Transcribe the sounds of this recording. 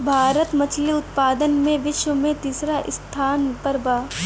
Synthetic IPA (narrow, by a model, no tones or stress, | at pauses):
bʱaːɾət̪mɐt͡ʃʰliʊt̪̚paːd̪ənmẽʋɪʃwəmẽt̪iːsɾaʔɪst̪ʰaːnpɐɾbaː